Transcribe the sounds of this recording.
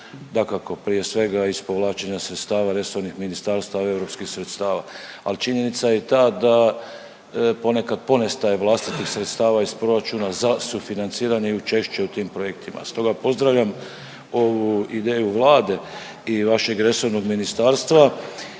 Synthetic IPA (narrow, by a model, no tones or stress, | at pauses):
d̪akako̞pɾije̞sʋe̞ɡaispo̞ʋlaːt͡ʃeɲasɾet̪st̪aːʋaɾe̞so̞ʋnixminist̪aːɾst̪ae̞vɾo̞pskixsɾe̞t̪st̪aːʋa̰alt͡ʃiɲe̞nit̪saje̞t̪aːd̪a | po̞ne̞kad̪̚po̞nest̪ajeʋlˠast̪it̪ixsɾe̞t̪st̪aːʋaispɾo̞ɾat͡ʃuːnazasufinant̪siːɾaniut͡ʃe̞ʃt͡ʃe̞ut̪iːmpɾo̞je̞kt̪ʰimʔa̰st̪o̞ɡapo̞zd̪ɾaʋʎʲam | o̞ʋuid̪e̞ːjuʋlˠaːd̪e̞ | iʋaʃe̞ɡɾe̞so̞ʋno̞ɡminist̪aːɾst̪ʋa